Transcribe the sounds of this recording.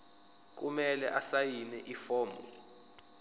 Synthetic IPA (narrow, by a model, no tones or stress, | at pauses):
k̬umɛlɛʔasajinɛʔifɔːmbɔ